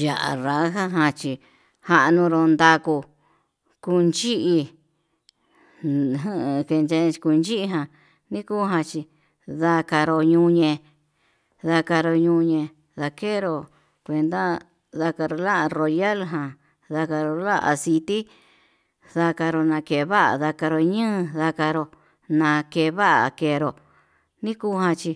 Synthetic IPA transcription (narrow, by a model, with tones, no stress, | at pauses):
ja˨ʔa̰˨ɾa˨˦ɦa˦ɦã˧t͡ʃi˧ | ha˧ʔnũ˧ɾo˧nd̪a˧ku˧ | ku˧nt͡ʃi˦ʔi˧ | ɦke˧ne˧ku˧nt͡ʃi˦i˧ɦã˧ | nĩ˦ku˦ɦã˧t͡ʃi˧ | ða˧ka˧ɾo˧ɲũ˧ɲẽ˧ | ða˧ka˧ɾo˧ɲũ˧ɲẽ˧ | ða˧ke˦ɾo˧ | kʷe˧nd̪a˦ | ða˧ka˧ɾo˧la˦˧ɾo˨ja˦lɦã˧ | ða˧ka˧ɾo˧la˦ʔa̰˧si˧t̪i˦ | ða˧ka˧ɾo˧nã˧ke˧˨˧βa˦ʔa̰˨ða˧ka˧ɾo˧ɲɨ̃˦˧ða˧ka˧ɾo˧ | nã˧ke˧βa˦ʔa˨ke˧ɾo˧ | nĩ˦kuː˦hã˧t͡ʃi˧